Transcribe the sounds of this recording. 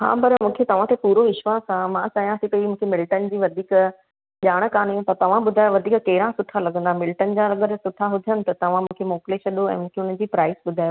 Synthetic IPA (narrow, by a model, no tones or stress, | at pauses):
ɦã̰ːpɐɾmũːkʰet̪ɐʋ̤ãt̪ʰepuːɾoɪʃʋasãmãt͡ɕaːɦijãsĩt̪ɐimũːkʰemɪlʈənd͡ʑiːʋɐd̪ʱiːk | ʄaːɽ̃kaːnĩt̪ɐt̪ɐʋ̤ãɓʊd̪ʱaːjoʋɐd̪ʱiːkkɐɦɪɾãsʊt̪ʰalɐɡə̃nd̪amɪlʈənd͡ʑãɾɐɡəɾsʊt̪ʰaɦʊd̪ʱjənɪ̆t̪ɐt̪ɐʋ̤ãmũːkʰemoːpɪleʃɐɗoɛ̃ːmũːkʰeʊn̤ən̆d͡ʑiːpɾaːɪsɓʊd̪ʱaːjo